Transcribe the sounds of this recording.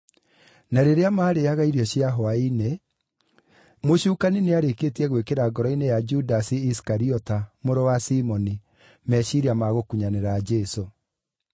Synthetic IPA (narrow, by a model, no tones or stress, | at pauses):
naɾeɾeamaːɾejaɣaiɾjɔɕiaɦɔaine | moɕuːkanineaɾeketiɛɣwekeɾaɡɔɾɔinejad͡ʒudasiiskaɾiɔtamoɾɔwasimɔni | mɛɕiɾiamaɣokuɲaneɾad͡ʒɛso